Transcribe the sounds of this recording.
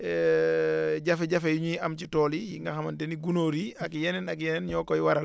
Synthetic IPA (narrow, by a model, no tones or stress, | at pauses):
ɛ | ɟɐfɛɟɐfɛjuɲujiɐmcitɔːlijiŋɡaxɐmɐntɛniɡunoːɾiɐkjɛnɛnak̬jɛnɛnɲɔːkɔjwaɾɐl